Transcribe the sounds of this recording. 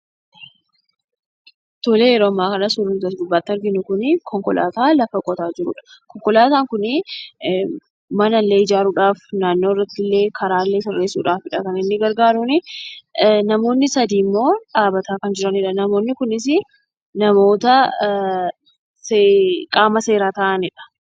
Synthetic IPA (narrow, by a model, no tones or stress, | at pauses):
t̪oleːjɛɾoːɐmːaːkɐnɐsʊɾʊnt̪ɐsɡ̪ʊbːaːt̪ːɪɐɾɡɪnʊkʊnɪkʰɔŋkɔlʔa̰ːt̪aːlɐfɐkʼɔt̪aːd͡ʒɪɾʊ̰ᶑɐ̥kɔŋkɔlaːt̪aːŋkʊnɪ | mɐnɐlːe̞ːɪd͡ʒaːɾuːᶑaːfnaːnːoːɪrːɐt̪ːɪlːe̞ːkʰɐɾaːlːe̞ːsɔrːe̞ːsṵːᶑaːfɪᶑɐkɐnɪnːɪɡɐɾɡaːɾʊnɪ | nɐmo̞ːnːɪsɐd̪iːmːo̞ːᶑaːbɐt̪aːkɐnd͡ʒɪɾɐniːᶑɐnɐmo̞ːnːɪkʊnɪs̬ɪ | nɐmo̞ːt̪ɐ | sekʼaːmɐse̞ːɾaːt̪ɐʔɐnɪᶑɐ̥